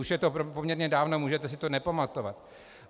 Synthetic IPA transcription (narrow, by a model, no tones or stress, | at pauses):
uʃjɛt̪opo̞mɲɛɾɲɛdaːvno̞muːʒɛt̪ɛsɪt̪o̞nɛpamat̪o̞vat̪